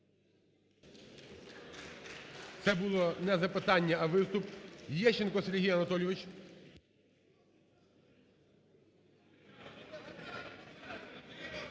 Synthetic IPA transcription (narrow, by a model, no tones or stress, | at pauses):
t̪sɛbulˠɔnɛzɐpɪt̪ɑnʲːɐɐʋɪst̪ʊpjɛʃenkɔseɾʲɦʲijɐnɐt̪ɔlʲjɔʋɪt͡ʃʲ